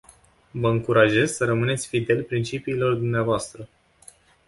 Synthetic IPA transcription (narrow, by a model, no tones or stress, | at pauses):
vəɨŋkuɾʔaʒe̞zsəɾəmɨnet̪sʲfid̪e̞lʲpɾint͡ʃipiːlo̞rd̪umneavoast̪ɾə